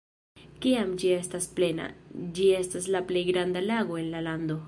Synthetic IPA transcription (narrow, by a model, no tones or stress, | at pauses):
kiamd͡ʒie̞stasple̞na̰d͡ʒie̞staslaplejɡɾand̪alaɡo̞e̞nlaland̪o̞